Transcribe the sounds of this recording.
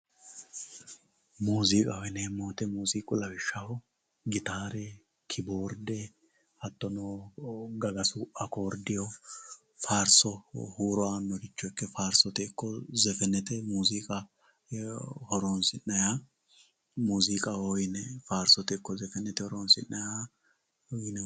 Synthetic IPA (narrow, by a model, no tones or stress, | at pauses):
muːzikʼɐhjneːmːoːt̪ɛmuːziːkʼʊlɐwɪʃːɐhɔ | ɡɪt̪aːɾɛ | kʰɪboːɾd̪ɛ | hɐt̪ːɔnɔɡɐɡɐsʊʔɐkoːɾd̪ɪjɔ | faːɾsɔhuːɾɔanːɔkɪt͡ʃːɔkːɛfaːɾsɔt̪ɛkːɔzɛfɛnɛt̪ɛmuːzikʼɐ | hɔɾonsɪnːɐja | muːzɪkʼɐhɔjnɛfaːɾsɔt̪ɛkːɔzɛfɛnɛt̪ɛhɔɾonsɪ̰nːɐja | ɔjnɛ